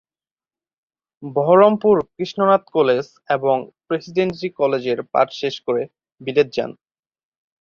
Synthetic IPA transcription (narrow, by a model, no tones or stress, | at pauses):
bɔɦoɾompuɾkɾiʃnonat̪koles | eboŋpɾesiɖensikɔled͡ʑeɾpa̰ʈʃeʃkoɾe | bilet̪̚d͡ʑa̰n